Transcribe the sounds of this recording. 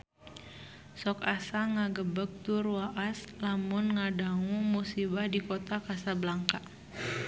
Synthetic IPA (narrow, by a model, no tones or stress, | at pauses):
sɔkasaŋaɡəbək̚t̪uruaʔaslamʊnŋadaŋumusibahdikot̪akasablaŋka